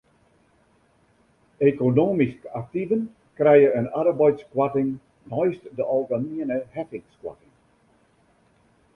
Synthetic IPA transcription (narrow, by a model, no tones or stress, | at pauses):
ekonoːmiskak̚tivən | krɛjəənaɾəbɔjtskwatɪŋ | nɔjstdəʔɔlˠɡaniənəhɛfɪŋskwa̰tɪŋ